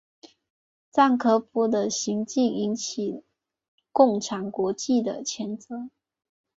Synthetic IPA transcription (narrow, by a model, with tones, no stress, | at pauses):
t͡sa˥˩nkʰɤ˧˥pu˧˥d̪ə˨ɕi˧˥ŋt͡ɕi˥˩ŋi˧˥nt͡ɕʰi˨˩ | kʊ˥˩ŋʈ͡ʂʰa˨˩nkwɔ˧˥t͡ɕi˥˩d̪ə̰˩t͡ɕʰjɛ˧˥nt͡sɤ˧˦